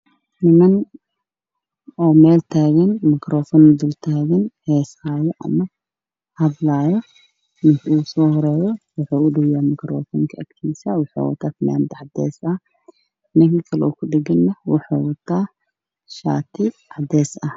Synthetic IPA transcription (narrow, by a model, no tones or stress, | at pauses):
nɪmɐn | ʔɔːmɛːlt̪ʰaːɣɐnmɪkɾɔːfɔnd̪ʊlt̪ʰaːɣɐnhɛːshaːjɔʔɐ̰mɐ | hɐdlaːjɔ | mɪʃuːsɔːhɔɾɛːjɔwʊħuːʊɖɐwjaːmɪkɾɔ̰ːfɔːŋkʰɐɐkt̪ʰiːsɐwʊħṵːwɐ̰t̪ʰaːfɪma̰ːnd̪ɐʕɑd̪ɛ̰ːsɐ | nɐɡikʰɐlɛɔkʰʊɖɪɡɐnːɐwʊħṵːwɐt̪ʰːaː | ʃa̰ːt̪ʰɪʕad̪ɛːsʔɐ